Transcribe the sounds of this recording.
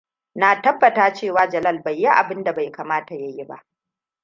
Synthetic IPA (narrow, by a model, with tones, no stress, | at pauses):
naː˨tɐ˦bːɐ˨taː˦t͡ʃeː˦˨waː˦d͡ʒɐ˨lɐ˦˨lba˨jːi˦ʔa̰˨bɪ˦nda˨ba˨jkaː˨maː˦ta˨ja˦ji˦ba̰˦ʔ